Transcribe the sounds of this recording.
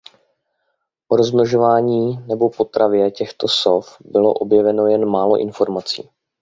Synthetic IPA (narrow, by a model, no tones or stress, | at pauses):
ʔoɾozmloʒo̞vaːɲiːnɛbo̞po̞t̪ɾavjɛcɛxt̪o̞sofbɪlo̞̰ʔo̞bjɛvɛno̞jɛnmaːlo̞̰ʔɪnfo̞ɾmat͡sḭː